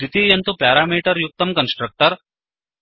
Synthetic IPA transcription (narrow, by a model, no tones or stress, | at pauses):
it̪iːjɐnt̪upaːɾaːmiːʈɐɾjuk̚t̪ɐmkɐnsʈɾɐk̚ʈɐɾ